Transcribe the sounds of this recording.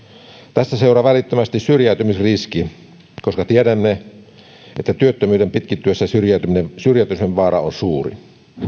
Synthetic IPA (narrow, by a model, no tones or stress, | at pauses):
t̪æst̪æseurɑʋælit̪ːømæst̪issyrjæˑyt̪ymisriski | koskɑt̪ieɾæmːe | ʔet̪ːæt̪yøt̪ːømyːdempit̪̚kit̪ːyøsːæsyrjæˑt̪yminesyrjæˑt̪yseʋʋɑːrɑ̰onsuːrḭ